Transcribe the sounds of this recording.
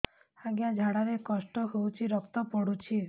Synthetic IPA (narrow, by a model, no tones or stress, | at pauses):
aɡjad͡ʒʱaɽaɾekɔsʈɔɦewt͡ʃʰiɾɔkt̪ɔpɔɽut͡ʃʰi